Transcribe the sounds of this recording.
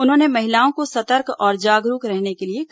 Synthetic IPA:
ʊnɦõːnemɐɦɪlaːõkosɐt̪əɾkɔːɾd͡ʒaːɡɾuːkɾɛɦnekeliek

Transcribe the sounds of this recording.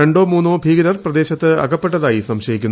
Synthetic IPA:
eɳɖo̞ːmuːnːoːbʱiːɡɐɾɐrprɐd̪e̞ːɕɐt̪ːɨɐ̰kɐpːeʈːɐðaːjisɐmɕɐjikʲːunː

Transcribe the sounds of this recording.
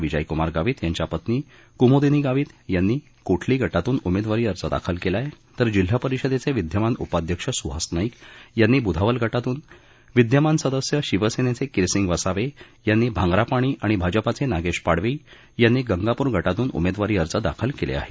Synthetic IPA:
ʋid͡ʑəjkumaɾɡaʋiːt̪jaɲt͡ɕapət̪niː | kumod̪iniːɡaʋiːt̪janːiː | koʈʰliːɡʱəʈat̪uːnumed̪ʋaɾiːəɾt͡səd̪a̰kʰəlkelaj | t̪əɾd͡ʑil̤ːapəɾiɕəd̪et͡seʋid̪ʱjəmanupad̪ʱjəkʂəsuɦasnaikjanːiːbud̪ʱaʋəlɡʱəʈat̪uːn | ʋid̪ʱjəmansəd̪əsjəɕiʋəsenet͡sekiɾsiŋɡʋəsaʋe | janːiːbʱãŋɡɾapaɽ̃iːʔaɽ̃ibʱad͡ʑəpat͡senaɡeʂpaɽʋiː | janːiːɡəŋɡapuːɾɡʱəʈat̪uːnṵmed̪ʋaɾiːəɾt͡səd̪a̰kʰəlkelḛa̰ɦe̥

